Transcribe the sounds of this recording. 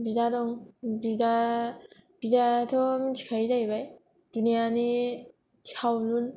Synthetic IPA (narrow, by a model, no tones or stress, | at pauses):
bizadɔŋbida | b̥izatʰɔmd͡ʒʰi̥kʰajzajbaj | d̥unijani | ihawlun